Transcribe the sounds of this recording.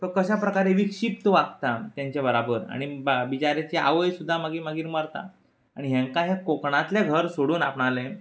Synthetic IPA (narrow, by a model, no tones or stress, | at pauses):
t̪əkəɕapɾəkaɾeʋikʂip̚t̪əʋaɡ̚t̪at̪jaɲt͡ɕjabəɾabəɾa̰ɽ̃ibit͡ɕaɾat͡ɕea̰ʋəjsud̪ʱːaməɡiːmaɡiːɾməɾt̪a̰ | aɽ̃iɦjãŋkaɦjakokɳãt̪ljaɡʱəɾsoɽuːnapɳale